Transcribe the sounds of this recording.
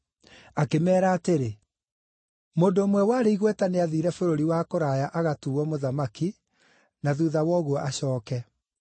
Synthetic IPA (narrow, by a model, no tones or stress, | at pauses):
akemɛːɾaːteɾe | moːndoːmwɛwaːɾeiɣwɛtaneaðiːɾɛfoɾoɾiwakoɾajaʔaɣatuɔmoðamaki | naðuːðawɔɣuɔʔaɕɔːkɛ